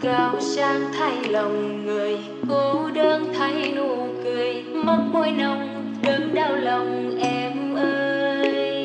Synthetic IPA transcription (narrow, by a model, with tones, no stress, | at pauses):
kaː˨˩wsaː˧ŋt̪ʰa˧jlə˨˩wŋ͡mŋɨ˨˩əj | ko˧˦ɗəː˧nt̪ʰa˧˦jnu˧˩kɨ˨˩əj | ma˧ŋ͡mmo˧jnə˨˧˩wŋ͡m | ɗɨ˨˦ŋɗaː˧˩wlə˨˩wŋ͡mʔɛ˧mʔəː˧j